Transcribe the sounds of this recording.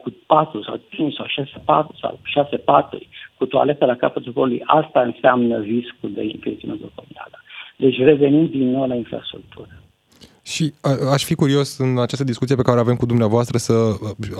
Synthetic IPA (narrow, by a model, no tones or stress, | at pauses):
kupat̪ɾusa̰wt͡ʃint͡ʃsawʃasepat̪ɾusa̰wʃasepat̪ṵrʲkut̪oa̰le̞t̪əlakapət̪ulkolulṵjʔa̰st̪aɨnseamnəriskuld̪ḛinflet̪siunet̪okomt̪a̰ləd̪e̞t͡ʃʲre̞ve̞nimd̪inːo̞wlainfɾa̰st̪ɾṵk̚t̪ʰuɾə | ʃiəaʃfikuɾio̞sɨnat͡ʃast̪əd̪iskut̪siepekaɾeave̞mkud̪umneavoast̪ɾəsə